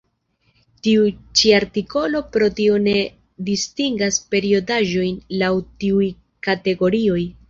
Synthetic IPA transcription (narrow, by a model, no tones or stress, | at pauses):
tiut͡ʃiaɾtiko̞lo̞pɾo̞tio̞ne̞ | distiŋɡaspe̞ɾio̞daʒo̞jnlawtiuj | kate̞ɡo̞ɾio̞j